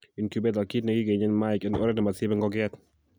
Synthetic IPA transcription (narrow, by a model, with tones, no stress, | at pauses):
i˨nkjubɛd̪a˨ki˦tna˨ɡɪ˦ɡe˨ɲɛ˦nmaɪ˨kɛ˦no˦ɾɛ˦nɛ˨ma˨sɪ˦bɛ˦ŋɡɔɡɛt̪